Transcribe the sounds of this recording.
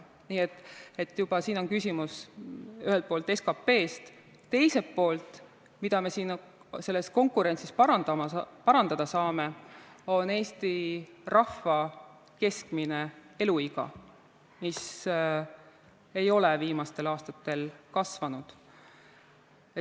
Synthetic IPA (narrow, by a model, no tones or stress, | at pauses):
niːet̪ːˑe̞t̪ːˑjub̥ɑsiːno̞nkysʲimusyhelt̪̚po̞ːlt̪e̞skɑpːe̞ːst̪ | t̪e̞jse̞t̪po̞ːlt̪ˑ | mid̪̥ɑme̞siːn | se̞lːe̞sko̞ŋkuɾe̞nsispɑɑd̪ɑmɑpɑɾɑnd̪̥ɑd̪̥ɑsɑːme̞o̞ne̞ːst̪irɑfːɑ | ke̞skmine̞e̞luiɡ̥ɑ̰ | mis | e̞jo̞lɛviːmɑst̪e̞lɑːst̪ɑt̪ːe̞lkɑsvɑnud̪̥ | e